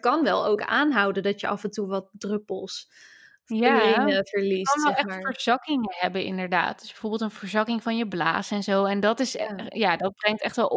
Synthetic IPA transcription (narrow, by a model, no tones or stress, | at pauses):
kɑnʋɛlˠowkaːnɦʌwdəndɑtjəʔɑfəntuʋɑt̚drɵpəlˠs | jainəvəɹlisɑnɛɛaːfəɹz̥ɑkɪŋəɦɛbəʔɪ̰ndəɹda̰ːt̚d̥ʏzb̥ɛvoɹbɪlˠtənvəɹzɑkɪŋvɑnjəbla̰ːsɛnzowɛndɑtɪsjaːdɑt̚brɛŋtɛχtʋɛlˠ